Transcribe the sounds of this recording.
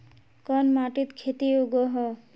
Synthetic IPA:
kɔnmaʈit̪kʰet̪ioɡɔɦɔ

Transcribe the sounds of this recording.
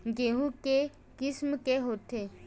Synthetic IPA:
ɡeɦũke | kɪsmkeɦoːt̪ʰeː

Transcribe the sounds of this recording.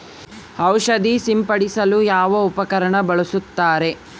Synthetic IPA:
hɐwʃɐd̪isimpɐɽisɐlujaːʋɐupɐkɐɾɐɳɐbɐɭɐsut̪ːaːɾe̞

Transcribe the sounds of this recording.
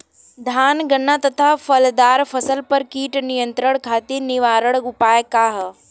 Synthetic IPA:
d̪ʱaːnɡɐnːat̪ɐt̪ʰafɐld̪aːɾfʰɐsəlpɐɾkiːʈnijə̃nt̪ɾəɽ̃kʰaːt̪eniʋaːɾəɽʊpaːjkaːɦ

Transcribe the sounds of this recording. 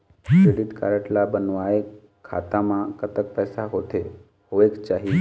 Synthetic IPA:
keliʈka̰ɾəʈlabənʋae | a̰ːt̪ãmãkət̪ək̚pɛːsaɦot̪ʰe | ɦoʋekt͡ʃaːɦi

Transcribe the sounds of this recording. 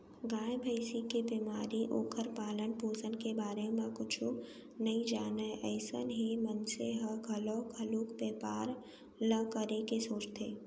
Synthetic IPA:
ɡãːjbʱəɪsikebimaːɾiʔoːkʰəɾpaːlənpoːd͡ʒənkebaːɾemẽkʊt͡ʃʰo | nɐĩd͡ʒaːnəʔɛːsə̰nɦimənseɦəɡʱɐloːkʰəluːkpeːpaːɾ | ləkəɾekesoːt͡ʃt̪ʰeː

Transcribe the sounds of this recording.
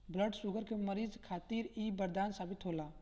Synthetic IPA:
bləɖsʊɡəɾkeməɾiːzkʰaːt̪iːɾiːbəɾd̪aːnsaːbɪt̪ɦoːlaː

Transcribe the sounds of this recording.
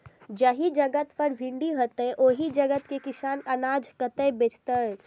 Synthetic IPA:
d͡ʒəɦid͡ʒəɡət̪pəɾbʱɪ̃ɳɖiɦot̪əʔoɦid͡ʒəɡət̪kekɪsaːnənaːd͡ʒkət̪əbeːt͡ʃt̪əɛ

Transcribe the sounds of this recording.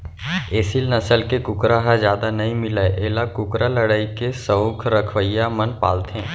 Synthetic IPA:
eːsɪlnɐsəlkekʊkɾaɦazjaːd̪anɐɦĩmɪlaeʔeːlakʊkɾaləɽaːikesəoːkʰɾəkʰʋəjamənpa̰ːlt̪ɛ̃ː

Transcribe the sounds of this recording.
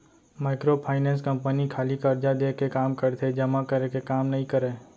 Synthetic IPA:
maːɪkɾopʰaːɪnɛ̃ːns̬kɐ̃mpənikʰaːlikɐɾd͡ʒad̪eːkekaːmkɐɾt̪ʰed͡ʒɐmakəɾekekaːmnɐɦĩkəɾẽː

